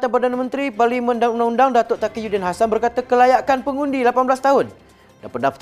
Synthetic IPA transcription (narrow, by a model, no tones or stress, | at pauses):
t̪apərdanamə̃nt̪ɾiparlimə̃ndaŋundaŋundaŋdat̪ʊʔt̪akijudɛnɦasanbərkat̪əkəlajaʔkanpəŋundilapanbəlast̪aɦʊn | danpəndaft̪